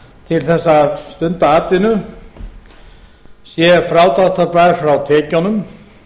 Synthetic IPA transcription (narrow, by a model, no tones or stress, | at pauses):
t̪ʰɪlθɛsːaːðst̪ʏnt̪aaːt̪ɪnʏ | sjɛfɾaːwt̪awt̪aɾpajɾ̥fɾawt̪ʰɛːcanʏm